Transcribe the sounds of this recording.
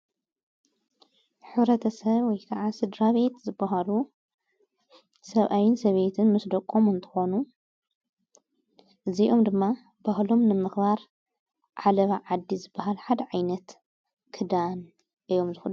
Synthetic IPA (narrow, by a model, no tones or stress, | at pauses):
ħɨβɾɐt̪ʰɐsɐβwɔjkʰɐʕasɨd̪ɾaβe̞t̪zɨbːaɦalu | sɐβʔajɪnsɐβe̞t̪ʰɨnmɨsd̪ɐkʼomɨnt̪ʰɨ̥xo̞nu | ʔɨziʔo̞md̪ɨmːa | b̥ahlo̞mnɨmɨxbaɾ | ʕalɐβaʕad̪ːizɨbːaɦalħad̪ɐʕajnɐt̪ | kʰɨd̪an | ʔɨjːo̞mzɨxɨl